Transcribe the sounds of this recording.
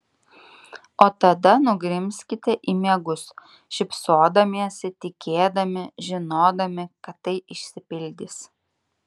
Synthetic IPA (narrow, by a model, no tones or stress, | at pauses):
oːt̪ɐd̪ɐnʊɡɾʲɪmʲsʲkʲɪt̪ʲɛʔiːmʲiɛɡʊs | ʃʲɪpsoːd̪ɐmʲiɛsʲɪt̪ʲɪkʲeːd̪ɐmʲɪʒʲɪnoːd̪ɐmʲɪkɐt̪ːɐɪʔɪʃʲsʲɪpʲɪlʲd̪ʲɪs